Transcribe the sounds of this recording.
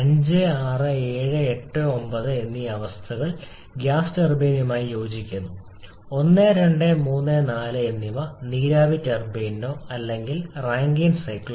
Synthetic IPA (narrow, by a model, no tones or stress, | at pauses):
ɐɲd͡ʑɨaːrɨeːɻɨe̞ʈːɨo̞mbɐðɨe̞nːiɐʋɐst̪ʰɐɣɐɭ | ɡjaːstɐrbeːnjumaːjijo̞ːd͡ʑikʲːunːu | o̞nːɨɾeɳɖɨmuːnːɨnaːlɨe̞nːimɐniːɾaːʋitːerbeːnːo̞ːɐlːe̞ŋɡilraːŋɡinsɐjk